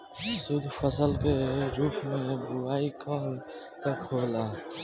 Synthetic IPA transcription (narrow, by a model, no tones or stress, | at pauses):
sʊd̪ʱfəsəlkeɾuːpmẽbʊaːikʰa | k̪akʰoːlaː